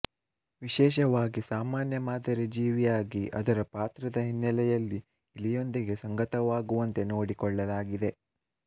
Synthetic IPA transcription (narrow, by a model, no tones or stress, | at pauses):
ʋiʃɛːʃ̬ɐʋaːɡisaːmaːnjɐmaːd̪ɐɾed͡ʒiːʋijaːɡiʔɐ̰d̪ɐɾɐpaːt̪ɾɐd̪ɐɦinːɐlɛjɐlːiː | lijo̞nd̪iɡe̞sɐŋɡɐt̪ɐʋaːɡuʋɐnt̪e̞no̞ːɽikɔɭːɐlaːɡid̪e̞